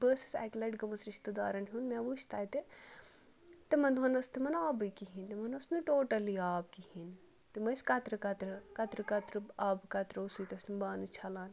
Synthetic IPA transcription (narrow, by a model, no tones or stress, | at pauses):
bəːsɐ̥sɛ̰ːklɐːʈɡɐmɐsɾiʃt̪ɨd̪aːɾɐnɦʲuːnmeːʋuʃt̪ʰaːjt̪e | t̪emɐnd̪ʱonɐst̪imɐnaːbɨkiɦint̪imɐnɐsnɨʈoːʈɐliaːbkihin | t̪imɐskɐt̪ɾɨkɐt̪ɾɨkɐt̪ɾɨkɐt̪ɾɨaːbkɐt̪ɾɐosujt̪ɐst̪imbaːnɨt͡ʃʰɐlaːn